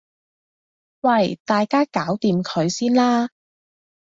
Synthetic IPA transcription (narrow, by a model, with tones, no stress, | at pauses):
wɐ˥˧˩jt̪aː˨jkaː˥kaː˨˥wt̪iː˨mkʰɵ˨˧ɥsiː˥nlaː˥